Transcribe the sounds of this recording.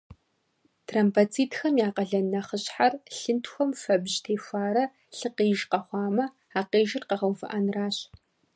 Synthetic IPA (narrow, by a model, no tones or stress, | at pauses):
tʰraːmpat͡sʰiːtʰxɐmjaːqɐɮɐnɐχəɕħarɬɨntʰxʷɔmfɐbʑtʰeːfʷaːɾɐ | ɬɨqiːʒqɐχʷɑːmɐ | aːqeːʒɪrqɐʁɐwfɨ̰ʔanraːɕ